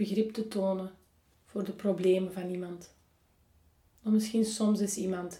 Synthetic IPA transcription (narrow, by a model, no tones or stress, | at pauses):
əɣrɪptətoːnə | v̥oːrdəprobleːməvɑnimɑnt | ɔmɪsxinsɔmsɪsimɑnt